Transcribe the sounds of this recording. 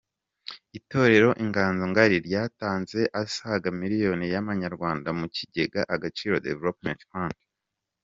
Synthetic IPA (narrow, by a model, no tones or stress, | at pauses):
ito̞ːɾe̞ɾo̞ʔiŋɡaːnzoŋɡaɾiɾjaːtaːnze̞ʔasaɡamiɾijo̞nijaβaɲaɾɡwaːndamuciɟe̞ɡaʔaɡat͡ʃiːɾo̞dḛvelopmḛ̃ntfaŋk